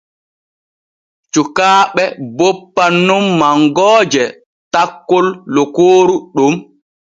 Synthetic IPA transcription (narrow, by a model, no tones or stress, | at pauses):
t͡ʃukaːɓɛbopːanːumːaŋɡɔːd͡ʒɛ | takːolːɔkoːɾuɗum